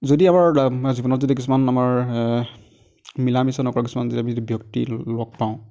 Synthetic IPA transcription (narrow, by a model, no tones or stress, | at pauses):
zodiamaɹzibɔnɔtzodikisumanamaɹ | milamisɔnɔkɔɹɔkisumanzodiamizodibjɔk̚tḭlɔɡ̚pãʊ̃